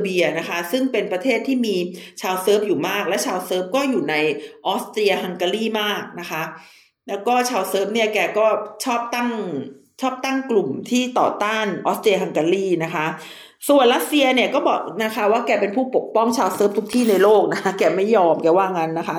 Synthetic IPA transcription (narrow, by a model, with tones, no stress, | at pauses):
bi˧ɐna˦˥kʰa˦˥sɯ˥˩ŋpe˧npɾa˧t̪ʰeː˥˩t̪ʰːiː˥˩miː˧t͡ɕʰaː˧wsɤː˦˥p̚juː˨˩maː˥˩k̚lɛ˦˥wt͡ɕʰaː˧wsɤː˦˥p̚kɔː˥˩juː˨˩na˧jʔɔː˦˥st̪ɾi˧ɐ˧ɦa˧ŋka˧liː˥˩maː˥˩k̚na˦˥kʰa˦˥ | lɛː˦˥wkɔː˥˩t͡ɕʰaː˧wsɤː˦˥p̚ni˥˩ɐkɛː˧kɔː˥˩t͡ɕʰɔː˥˩p̚t̪a˥˩ŋ | t͡ɕʰɔː˥˩p̚t̪a˥˩ŋklu˨˩mt̪ʰiː˥˩t̪ɔ̰ː˨˩t̪aː˥˩nʔɔː˦˥st̪ɾi˧ɐ˧ha˧ŋka˧liː˥˩na˦˥kʰa˦˥ | su˨˩ənɾa˦˥t̪̚si˧ɐni˥˩ɐkɔː˥˩bɔː˨˩k̚na˦˥kʰa˦˥waː˥˩kɛː˧pe˧npʰuː˥˩po˨˩k̚pɔ˥˩ŋt͡ɕʰaː˧wsɤː˦˥p̚t̪ʰu˦˥k̚t̪ʰiː˥˩na˧jloː˥˩k̚na˦˥kʰa˦˥kɛː˧ma˥˩jɔː˧mkɛː˧waː˥˩ŋa˦˥nːa˦˥kʰa˦˥